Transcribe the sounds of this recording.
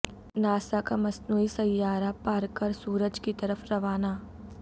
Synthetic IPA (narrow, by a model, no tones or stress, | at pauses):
naːsakamɐsnuːisɐjjːaːɾapaːɾkəɾsuːɾəd͡ʒkit̪ɐɾəfɾɐʋaːnaː